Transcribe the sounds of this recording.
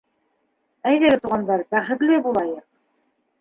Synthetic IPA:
æjðæɡɘt̪uʁɑnd̪ɑɾbæχɘ̆t̪lɘbulˠɑjɤq̚

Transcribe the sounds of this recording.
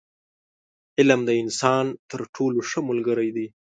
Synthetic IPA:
ɪlamd̪əɪnsɑːnt̪əɾʈʰoloʂəmʊlɡəɾajd̪i

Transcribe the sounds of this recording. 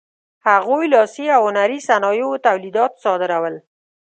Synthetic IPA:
haɣojlɑsiawhʊnaɾisanɑjowt̪awlid̪ɑt̪sɑd̪ɪɾawəl

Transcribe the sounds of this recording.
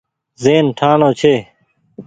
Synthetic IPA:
zeːnʈʰaːɳõːt͡ɕʰeː

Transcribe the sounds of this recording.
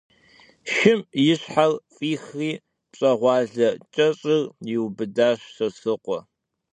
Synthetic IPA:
ʃɪmjɪɕħarfʼiːxriː | pɕʼɐʁʷɑːɮɐt͡ʃʼɐɕʼɪrjɪwbɨdaːɕsɐsɨqʷʼɔ

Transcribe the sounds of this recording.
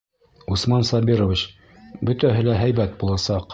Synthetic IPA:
usmɑnsɑbiɾovʲit͡ɕ | bɵ̆t̪æɦɘ̆læɦæjbæt̪̚bulˠɑsɑq

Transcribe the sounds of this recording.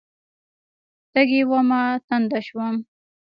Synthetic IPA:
t̪aɡewamɑt̪and̪aʃwam

